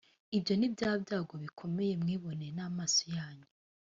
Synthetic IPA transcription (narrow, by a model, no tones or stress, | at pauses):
ibjo̞nibɟaːbjaːɡoβikʰo̞meje̞mŋiːβo̞nenamaːsojaːɲe